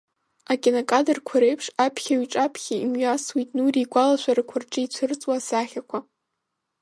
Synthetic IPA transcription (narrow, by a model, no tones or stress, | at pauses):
akʼenakʼadɨrkʷʰaɾejpʰʂapʰχʲaɥiʈ͡ʂʼapʰχʲaimɥaswitʼnuriɡʷalaʃʷarɨkʷʰʊrʈ͡ʂʼɨit͡ɕʷʰɨrt͡sʼwasaχʲakʷʰa